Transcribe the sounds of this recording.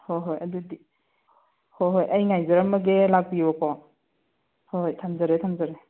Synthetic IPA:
hojɦojɐ̰dudi | hojɦojʔɐjŋajzaɾɐmɐɡelak̚bibɐkʰɔ | hojtʰamzaɾetʰamzaɾe

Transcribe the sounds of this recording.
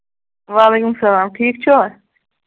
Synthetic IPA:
ʋaːleːkumsɐlaːmʈʰiːk̚t͡ʃʰoː

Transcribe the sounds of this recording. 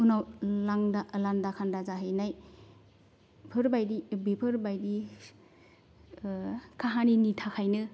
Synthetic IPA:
unawlaŋdalandakʰandazaɦɯjnaj | pʰɯɾbajdibepʰɯɾbajdi | kʰaɦaninitʰakʰajnɯ

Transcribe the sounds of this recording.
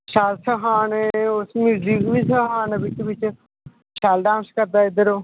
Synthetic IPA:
ʃaːlsəɦaːneːʊsmiɖɾiːɡʋiːsəɦaːnbɪt͡ʃʋɪt͡ʃ | ʃaːlɖãːwnskəɾd̪aːɪd̪əɾoː

